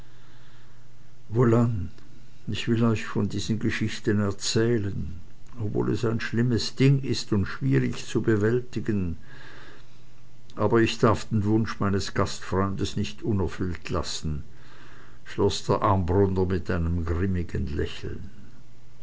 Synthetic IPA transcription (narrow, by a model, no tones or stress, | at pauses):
volan | ɪçv̥ɪlɔʏçfɔndiːz̥ənɡəʃɪçtənɛɐt͡sɛːlən | obvo̰ːlɛ̰saɪnʃlɪməsd̥ɪŋɪstʊntʃv̥iːʁɪçt͡subəvɛltɪɡən | ʔaːbɐɪçd̥aɐfd̥eːnvʊnʃmaɪnəsɡ̥astfʁ̥ɔʏndəsnɪçtʔʊnɛɐfʏltʰla̰sn̩ | ʃlɔsd̥eːɐʔaɐmbʁʊndɐmɪtʔaɪnəmɡʁɪmɪɡənlɛ̰çl̩n